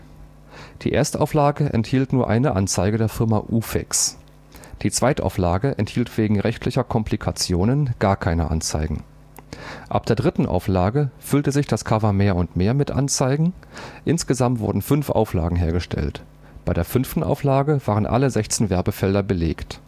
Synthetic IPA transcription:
d̥ḭːʔeːɐstʔa̰ʊflaːɡəʔɛ̰nthiːltnuːɐʔa̰ɪnəʔant͡saɪɡədeːɐfɪɐma̰ʔuːfɛ̰ks | d̥iːt͡sv̥aɪtʔa̰ʊflaːɡəʔɛnthiːltv̥eːɡŋ̩ʁɛçtʰlɪçɐkʰɔmplikʰat͡sjoːnənɡ̥aːɐkʰaɪnə̰ʔa̰nt͡sa̰ɪɡŋ̩ | ʔa̰p̚d̥eːɐdʁɪtn̩ʔa̰ʊflaːɡəfʏltəzɪçd̥askʰavɐmeːɐʊntmeːɐmɪtʔa̰nt͡saɪɡŋ̩ʔɪnsɡ̥əzamtv̥ʊ̰ɐdn̩fʏnfʔa̰ʊfla̰ːɡŋ̩ɦeːɐɡəʃtʰɛ̰lt | b̥aɪɾeːɐfʏnftn̩ʔa̰ʊflaːɡəvaːʁənʔa̰ləzɛçt͡sɪnvɛɐbəfɛldɐbəleːkt

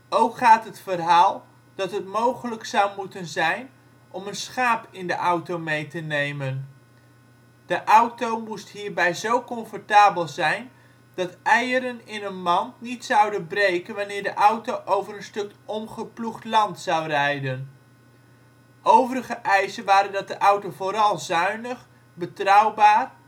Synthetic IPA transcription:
owkχaːtɦətfərɦaːlˠ | d̥ɑtɦətmowχələksɑwmutənzɛjn | ʔɔmənsχaːpɪndəʔɑwtowmejtənejmən | d̥əʔɑwtowmustɦiːɹbɛjzowkɔnfɔɹtaːbəlˠzɛjn | d̥ɑtʔɛjəɾənɪnənmɑntnitsɑwdənbrejkənʋanɪːɹdəʔɑwtowʔowvərənstɵkʔɔmχəpluχtlɑntsɑwrɛjdən | ʔowvəɾəχəʔɛjsənʋaːɾəndɑt̚dəʔɑwtovoːɾɑlˠzœɥnəχ | bətrɑwbaːr

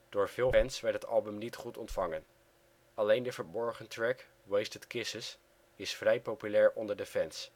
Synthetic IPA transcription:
d̥ʊːɹv̥ɪːlˠɛnsʋɛɹtɦətɑ̰lˠbəmnitχutɔntfɑŋən | ɑlejndəvəɹbɔɹχəntɹɛk | wejstətkɪsəs | ɪsfrɛjpowpylɛːɹʔɔndəɹdəfɛns

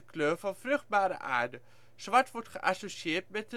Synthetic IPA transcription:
əkløːɹfɑnfrɵχd̚baːɾə̰ʔa̰ːɹdə | sʋɑtʋɔɹtχəʔasosiɪːɹtmɛt̚ə

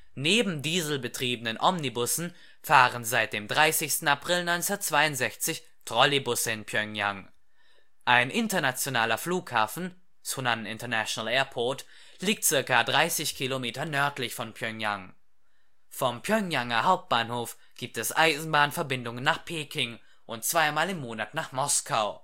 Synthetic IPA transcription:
neːbm̩diːzl̩bətʁ̥iːbənənʔɔmnibʊsn̩ | faːʁənzaɪt̚d̥eːmdʁaɪsɪçstn̩apʁ̥ɪlnɔɪnsnaɐtt͡sv̥aɪʊntz̥ɛçt͡sɪç | tʁ̥ɔlibʊsəɪnpʰjœŋja̰ŋ | ʔaɪnʔɪntɐnat͡sjonaːlɐfluːkhaːfn̩ | t͡sunannɪ̰ntɐnæʃonalɛːɐpʰɔɐt | liːk̚tt͡sɪɐkadʁaɪsɪçkʰilomeːtɐnœɐtlɪçfɔnpʰjœŋja̰ŋ | fɔmpʰjœŋjaŋɐhaʊp̚t̚b̥aːnhoːf | ɡ̥iːp̚tɛsʔa̰ɪzn̩baːnfɛɐbɪndʊŋənːaːχpʰeːkʰɪŋ | ʔʊnt̚t͡sv̥aɪmaːlɪmːoːnatnaːχmɔskʰaʊ

